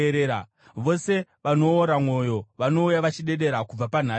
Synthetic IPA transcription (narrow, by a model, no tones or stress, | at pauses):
ɾeːɾa | ʋo̞se̞ʋano̞ːɾamwo̞jo̞ʋano̞ujaʋat͡ʃiɗe̞ɗe̞ɾakub͡vapan̤a